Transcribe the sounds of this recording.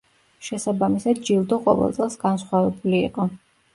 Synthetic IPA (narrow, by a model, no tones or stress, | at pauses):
ʃɛsabamisad̪̚d͡ʒilˠd̪ɔqʼɔ̰vɛ̰lˠt̪sʼɛlˠsɡansχwavɛbulḭːqʼɔ